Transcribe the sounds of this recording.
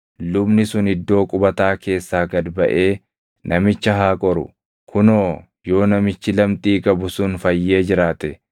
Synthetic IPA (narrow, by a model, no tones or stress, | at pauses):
lʊbnɪsʊnɪd̪ːo̞ːkʼʊbɐt̪aːke̞ːsːaːɡɐd̪bɐʔe̞ː | nʔɐmɪt͡ʃːɐɦaːkʼɔɾʊ̰ | kʰʊnoː | jo̞ːnɐmɪt͡ʃːɪlɐmt̪ʼiːkʼɐbʊsʊnfɐjːe̞ːd͡ʒɪɾaːt̪ɛ